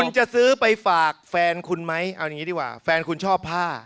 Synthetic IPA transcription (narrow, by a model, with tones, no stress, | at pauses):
u˧nt͡ɕa˨˩sɯː˦˥pa˧jfaː˨˩k̚fɛː˧nkʰu˧nma˦˥jʔʔa˧wja˨ŋiː˦diː˥˩kwa̰ː˧˩fɛː˧nkʰu˧nt͡ɕʰɔː˥˩pʰːaː˥˩